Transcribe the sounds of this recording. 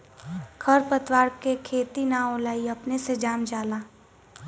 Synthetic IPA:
kʰɐɾpət̪waːɾkekʰeːt̪inaoːlaːiɐpnesed͡ʒaːmd͡ʒaːlaː

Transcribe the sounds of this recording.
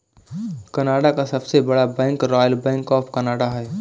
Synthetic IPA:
kɐnaːɽakasɐbsebɐɽabɛ̃ːŋkɾɔːjəlbɛ̃ːŋkɔːpʰkɐnaːɽaɦɛː

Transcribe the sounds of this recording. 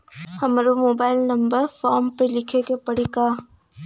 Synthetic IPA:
hɐmɾomoːbaːɪlnɐmbəɾfɔːmpelɪkʰekepɐɽikaː

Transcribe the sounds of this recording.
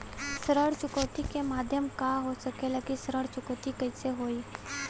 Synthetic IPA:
səɾəɽt͡ʃʊkəːt̪ikemaːd̪ʱjəmkaɦosɐkeləkisəɾəɽt͡ʃʊkəːt̪ikɐiseɦoːi

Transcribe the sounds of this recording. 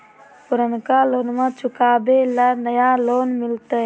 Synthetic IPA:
pʊɾənkaloːnmãt͡ʃʰʊkaːbelənəjaloːnmɪlt̪ə

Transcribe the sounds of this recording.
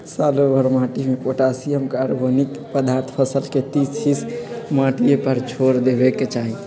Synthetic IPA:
salobəɾmãʈimepoʈasijəmkaɾɡonikpəd̪aɾt̪ʰpʰəsəlket̪it͡ʃʰismaʈijepəɾt͡ʃʰoɾd̪ebekːet͡ʃaɦi

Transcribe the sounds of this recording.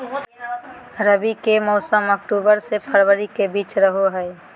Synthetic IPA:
ɾəbikemɔːsəmək̚ʈuːbəɾsepʰəɾbəɾikebiːt͡ʃɾəɦoɦɛː

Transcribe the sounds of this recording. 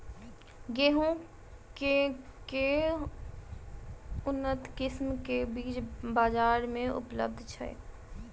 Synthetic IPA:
ɡeːɦõ | keke | ʊnːət̪kɪsmkebiːt͡ʃbaːd͡ʒaːɾmẽʊ̰plə̰b̚d̪ʱt͡ʃʰɐ̰

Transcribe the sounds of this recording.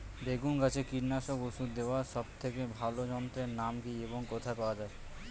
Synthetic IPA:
beɡunɡat͡ɕʰekiɾnaʃokusud̪d̪ewaʃɔb̚t̪ʰekebʱalod͡ʑɔnt̪ɾeɾnamkieboŋkot̪ʰaepaoad͡ʑae

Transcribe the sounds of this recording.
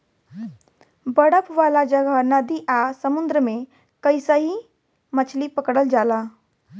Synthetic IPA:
bəɽəpʋaːlad͡ʒəɡanad̪iʔasəmʊ̃nd̪ɾəmẽ | kəɪsaɦi | mət͡ʃʰlipəkɽəld͡ʒaːlaː

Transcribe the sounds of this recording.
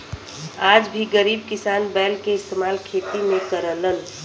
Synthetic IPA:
ad͡ʒbʱiɡəɾiːb̚kɪsaːnbɛlkeɪst̪emaːlkʰet̪imẽkəɾələn

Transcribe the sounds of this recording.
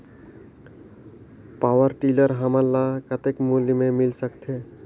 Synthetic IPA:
paːʋəɾʈiːləɾɦəməlːakət̪ekmulmẽmɪlsəkt̪ʰɦe

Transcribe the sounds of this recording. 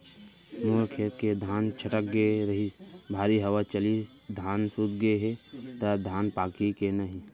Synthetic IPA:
nuːəɾkʰeːt̪ked̪ʱaːnt͡ʃʰəʈək̚ɡeɾɐɦibʱaːɾiɦɐwat͡ʃəli | d̪ʱaːnsud̪ɡəeɦet̪ad̪ʱaːnpaːkikenɐɦĩ

